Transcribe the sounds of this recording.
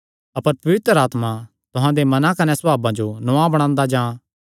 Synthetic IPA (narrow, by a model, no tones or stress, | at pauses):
ɐpəɾpɐʋɪt̪ɾəaːt̪mã | t̪ʊɦãd̪emɐnãkɐnɛsɐbʱaːbãd͡ʒonʊãbɐɽ̃ãːnd̪ad͡ʒãː